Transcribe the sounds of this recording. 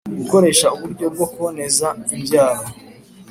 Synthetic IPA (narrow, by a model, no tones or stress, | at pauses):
ɡuko̞ɾe̞ːʃauβuɾɟo̞b̚ɡo̞kuβone̞zaimbjaːɾo